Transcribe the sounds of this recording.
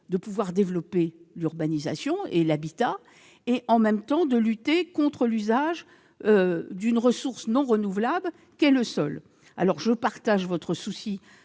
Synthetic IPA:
d̪əpuvwaʁd̪evlɔpelyʁbaniza̰sjɔ̃elabit̪a | eʔɑ̃mɛmt̪ɑ̃d̪əlyt̪ekɔ̃t̪χəlyzaʒ | ød̪ynʁəsuʁsnɔ̃ʁənuvlabl | kɛləsɔl | a̰lɔʁʒəpaʁt̪aʒvɔt̪χəsusi

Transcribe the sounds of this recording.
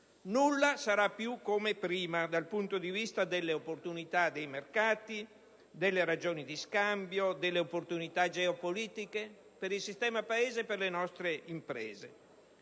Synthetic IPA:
nulːasaɾapːjukːomepɾiːmad̪alpunt̪od̪ivist̪ad̪elːeopːort̪unit̪ad̪ejmerkaːt̪i | d̪elːeɾad͡ʒoːnid̪iskambjod̪elːeopːort̪unit̪ad͡ʒɛopoliːt̪ike | peɾilsist̪ɛːmapaeːzeperlenɔst̪ɾeimpɾḛːze

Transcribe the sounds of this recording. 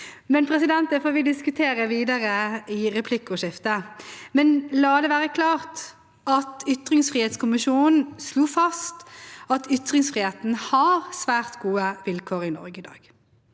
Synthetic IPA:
mɛnpʰɾɛsɪd̪ɛnt̪əfoːʋɪd̪ɪskʉt̪ʰeːɾəʋiːd̪ɑɾəɪʁɛpʰlɪkːʊʂɪft̪əmɛnlɑːd̪ɛʋæːɾəkʰlɑːʁt̪ | ɑt̪ʏt̪ɾɪŋsfʁiːheːt̪skʰʊmɪʃuːnn̩sluːfɑst̪ɑt̪ʏt̪ɾɪŋsfʁiːheːt̪n̩hɑɾsʋæːʁt̪ɡuːəʋɪlkʰoːɾɪnɔ̰ɾɡəɪd̪ɑ̰ːɡ̥

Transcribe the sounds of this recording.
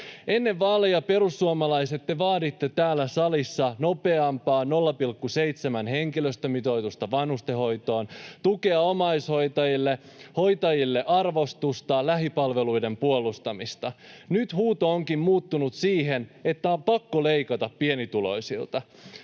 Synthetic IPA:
e̞nːe̞ʋʋɑːlejɑpe̞ɾusːuomɑlɑjse̞t̪ːeʋɑːdit̪ːe̞t̪æːlːæsɑlisːɑno̞pe̞ɑmpɑːno̞lːɑpilkːuse̞jt̪semænɦe̞ŋkiløst̪ømit̪o̞jt̪ust̪ɑʋɑnhust̪eɦo̞jt̪o̞ːnt̪uke̞ɑo̞mɑjsho̞jt̪ɑjilːe | ho̞jt̪ɑjilːe̞ʔɑrʋo̞st̪ust̪ɑlæɦipɑlʋe̞lujde̞mpuolːˑust̪ɑmist̪ɑnyt̪huːt̪o̞oŋkimmuːt̪ːunut̪siːɦe̞ne̞t̪ːæompɑkːole̞jkɑt̪ɑppie̞nit̪ulo̞̰jsḭlt̪ɑ

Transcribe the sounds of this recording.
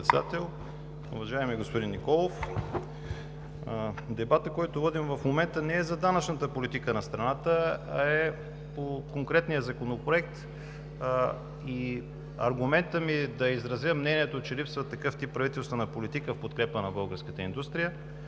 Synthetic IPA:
t̪sɛd̪a̰t̪ɛlˠ | ʊ̰vɐʒaɛmɛɡospʊd̪inːikɔlˠof | d̪ɛbat̪əkɔjt̪ovɔd̪imvɐfmomɛnt̪ənɛɛzɐd̪anət͡ʃnət̪əpolit̪ikənɐst̪ɾɐnat̪əɐɛ | pokoŋkɾɛt̪nijəzɐkonopɾoɛk̚t̪ | i | ɐ̰ɾɡʊmɛnt̪əmid̪ɐizɾɐzjəmnɛniɛt̪ot͡ʃɛlipsvət̪ːɐkɤft̪ipːɾɐvit̪ɛlˠst̪vonɐpolit̪ikəfpot̪kɾɛpənɐbɤlˠɡəɾskət̪əḭnd̪ust̪ɾijə

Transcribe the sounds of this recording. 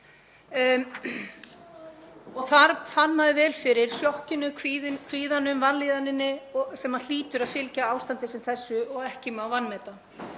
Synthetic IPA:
ɔɣθaɾfanːaðɪvɛːlfɪɾɪɾ̥sjɔhcɪnʏkʰviðkʰv̥iːðanʏmvanliːðanɪnːɪsɛmːal̥iːt̪ʏɾaðfɪlcaaːwst̪ant̪ɪsɛmθɛsːʏɔɣɛhcɪmawvanːmɛːt̪a

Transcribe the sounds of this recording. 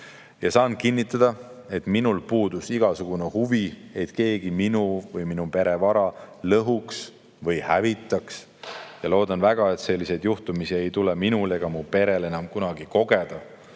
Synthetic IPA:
jɑsɑːnkinʲːit̪ːˑɑd̪̥ɑ | e̞t̪minulpuːd̪̥usiɡ̥ɑsuɡ̥unehuvie̞t̪ke̞ːɡ̥iminuvɤjminupe̞ɾe̞vɑɾɑlɤɦuks | vɤjhævit̪ˑːɑks | jɑlo̞ːd̪ɑnvæɡ̥ɑe̞t̪se̞lʲːise̞jd̪̥juht̪umisie̞jt̪uleminule̞ɡ̥ɑmupe̞ɾe̞le̞nɑmkunɑɡiko̞ɡ̥e̞d̪̥ɑ

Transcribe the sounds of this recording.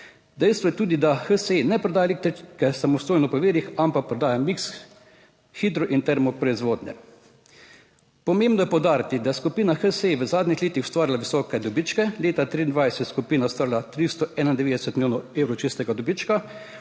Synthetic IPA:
d̪ɛjst̪ʋɔjɛt̪uːd̪id̪axəsenɛpɾɛd̪aːjalek̚t̪ɾit͡ʃkɛsamɔst̪oːjnɔpɔʋeːɾixampak̚pɾɛd̪aːjamiks | xid̪ɾɔʔint̪ɛɾmɔpɾɔizʋoːd̪nɛ̰ | pɔmembnɔjɛpɔwd̪aːɾit̪id̪ajɛskupiːnaxəseʋəzaːd̪nʲixleːt̪ixʊ̥st̪ʋaːɾilaʋisɔːkɛd̪ɔbit͡ʃkɛleːt̪at̪ɾiːnd̪ʋajsɛt̪skupiːnast̪ʋaːɾilat̪ɾist̪ɔʔɛːnaind̪ɛʋeːd̪ɛsɛt̪miljoːnɔeːwɾɔwt͡ʃist̪ɛɡad̪ɔbit͡ʃka

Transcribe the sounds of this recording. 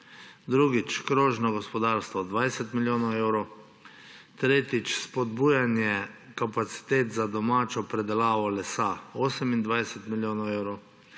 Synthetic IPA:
d̪ɾuːɡit͡ʃkɾoːʒnɔɡɔspɔd̪aːɾst̪ʋɔd̪ʋajsɛt̪miljoːnɔɛwɾo | t̪ɾeːt̪it͡ʃspɔd̪buːjanjɛ | kapat̪si̥t̪eːt̪zad̪ɔmaːt͡ʃɔpɾɛd̪ɛlaːʋɔlɛsaoːsɛmind̪ʋajsɛt̪miljoːnɔwɛwɾo

